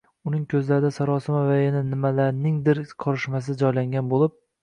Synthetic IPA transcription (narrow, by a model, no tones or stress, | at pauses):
ʊnɪŋkʲʰɵzlaɾɪd̪asaɾɒsɪmavajananɪmalaɾnɪŋd̪ɪɾqʰɒɾɪʃmas̬ɪd͡ʒɒjlaŋɡʲanbolˠɪp̚